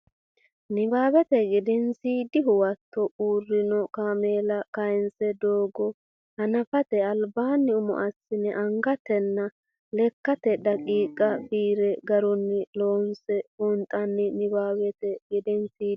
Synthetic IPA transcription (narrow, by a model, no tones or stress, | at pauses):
nɪbaːbɛt̪ɛɡɪd̪ɛnsiːd̪ɪɦʊwɐt̪ːɔʔuːrːɪnɔkaːmeːlɐkɐjnsɛd̪oːɡɔ | hɐnɐfɐt̪ɛɐlbaːnːɪʊmɔ̰ʔɐsːɪnɛʔɐŋɡɐt̪ɛnːɐ | lɛkːɐt̪ɛɗɐkʼiːkʼːɐfiːɾɛɡɐɾɔnːɪlo̞ːnsɛhʊnt̪ʼɐnːɪnɪbaːwɛt̪ɛɡɪd̪ɛnsiː